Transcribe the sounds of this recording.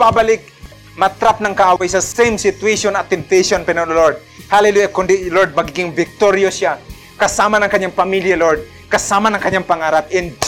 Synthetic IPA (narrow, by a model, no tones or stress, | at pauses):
babalɪk̚ | mɐt̪ɾap̚nɐŋkɐʔaːwajsɐsɛjmsɪt̪ueʃonɐt̪ːɛmp̚t̪ɛjʃonpɛnonloɹd̪̚halɛlujakʊnd̪ɪloɹd̪̚mɐɡiːɡɪŋvɪk̚t̪oɾjosja | kɐsaːmɐnɐŋkɐɲːaŋpɐmiljaloɹd̪̚ | kɐsaːmɐnɐŋkɐɲːaŋpɐŋaːɾap̚ʔɛn